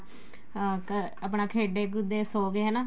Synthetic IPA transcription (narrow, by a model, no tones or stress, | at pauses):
kə | əpɳaːkʰeːɖeːɡʊd̪eːsoːɡeːɦɛːnãː